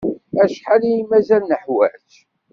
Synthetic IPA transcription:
æʃħalijimæzælnəħwæ̰t͡ʃ

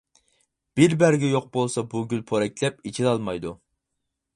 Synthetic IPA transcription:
b̥ɪɾbæɾɡʲɛjoq̚bolˠsɑbuɡʲylpʰoɾɛk̚ʲlɛp̚it͡ʃʰid̪ɑlˠmɑjd̪u

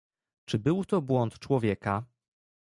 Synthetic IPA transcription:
t͡ʂɘbɘwt̪ɔbwɔnt̪t͡ʂwɔvʲjɛka

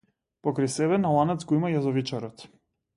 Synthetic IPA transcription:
pɔkɾɛjsɛβɛnalˠanɛt̪zɡɔimajazɔvit͡ʃaɾɔt̪

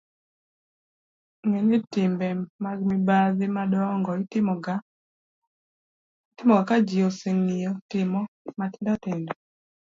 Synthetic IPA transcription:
ŋeɲɪtɪmbɛmaɡmibaðɪmadɔŋɡɔɪtɪmɡa | tɪmɔɡakad͡ʒioseŋijɔtɪmɔmatɪndatɪndɔ

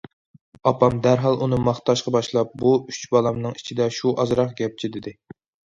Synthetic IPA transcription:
ɑpɑmd̪æɾɦɑlˠʔunɨmɑχt̪ɑʃqɑbɑʃlˠɑp̚buyt͡ʃbɑlˠɑmnɨŋi̥t͡ʃʰid̪ɛʃuʔɑzɾɑqɡʲɛp̚t͡ʃʰid̪ɪd̪ɪ

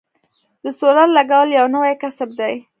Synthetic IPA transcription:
d̪əsolallaɡawəljawnawajkasab̚d̪aj

